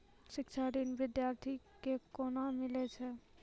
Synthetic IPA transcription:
ʃɪkt͡ʃʰaɾinʋɪd̪jaːɾt̪ʰikekoːnamɪlet͡ʃʰɛ

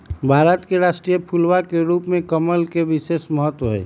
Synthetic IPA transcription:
bʱaːɾət̪keɾaːsʈɾijəpʰulwakeɾuːpmẽkəməlkeʋɪseːsməɦət̪wəɦɛ̰

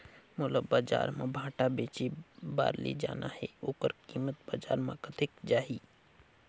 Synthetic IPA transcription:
moləbːaːd͡ʒa̰ːɾmãbʱãːʈabeːt͡ʃiba̰ːɾlḭd͡ʒa̰ːnaɦɛoːkəɾkiːmət̪̚baːd͡ʒaːɾmãkət̪ʰɪkd͡ʒaːɦiː

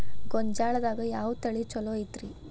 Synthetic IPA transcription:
ɡɔɲd͡ʒaːɭɐd̪aːɡɐjaːʋut̪ɐɭit͡ʃɔloːit̪ɾi

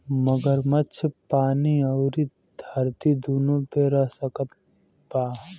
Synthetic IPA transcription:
məɡəɾmətːt͡ʃʰpaːniɐʊɾi | d̪ʱɐɾt̪id̪uːnõpeɾəɦsəkət̪̚ | baː

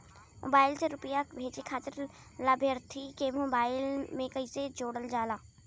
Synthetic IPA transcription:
mʔo̰ːbaːɪlseɾʊpəjabʱeːd͡ʒekʰaːt̪əɾ | labʱjəɾt̪ʰikemoːbaːɪlmẽkɐised͡ʒoːɽəld͡ʒaːlaː

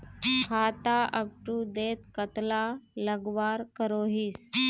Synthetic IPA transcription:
kʰat̪aʔəp̚ʈuːd̪et̪kət̪laləɡʋaɾkəɾoɦiːs

